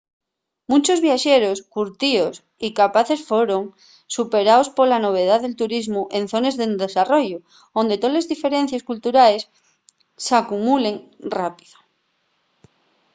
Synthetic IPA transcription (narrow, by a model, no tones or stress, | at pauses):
mũt͡ʃo̞zβjaʃeɾoskuɾt̪ios | ikapaθe̞sfweɾo̞ŋ | supe̞ɾaospo̞lano̞β̞e̞ð̞aðe̞lt̪uɾizmuʔen̟θo̞nezðend̪esaro̞ʝo | ond̪e̞t̪ole̞zðife̞ɾẽ̞n̟θjeskult̪uɾaes | sakumule̞ŋrapi̥ðo